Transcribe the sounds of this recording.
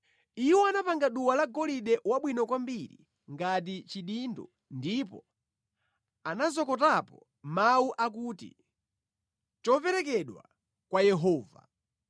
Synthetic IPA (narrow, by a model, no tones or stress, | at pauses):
iwɔanapaŋɡaɗuwalaɡɔliɗɛwaɓwinɔkwambiɾḭ | ŋɡat̬it͡ʃiɗindɔ̰ | ndipɔ | anazɔkɔtapɔ | mauʔak̬uːtḭ | t͡ʃɔpɛɾɛk̬ɛɗwa̰ | kwajɛɦɔːva̰